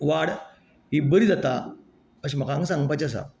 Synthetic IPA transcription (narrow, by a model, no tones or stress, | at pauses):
ʋaɽ | ɦibəɾid͡zat̪a | əɕm̤əkaːŋɡsãŋɡ̚pajt͡ɕas̬a̰